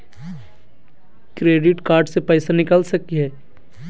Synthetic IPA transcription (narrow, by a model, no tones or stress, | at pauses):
kɾeːɖɪʈkaːɾɖsepɛɪsanɪkəlsɐkiɦɛː